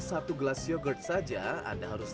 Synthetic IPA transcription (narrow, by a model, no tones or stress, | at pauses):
sat̪uɡlasijɔɡəʈ̚sad͡ʒaa̰nd̪aɦaɾus